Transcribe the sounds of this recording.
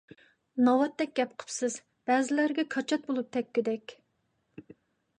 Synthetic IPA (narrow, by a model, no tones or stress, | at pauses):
nɑwɑt̪̚d̪ɛk̚ʲɡʲɛpqʰə̥psɨz | b̥æzɪlæɾɡʲɛkʰɑt͡ʃʰɑt̪̚bolˠup̚t̪ʰɛkʲːyd̪ɛkʲ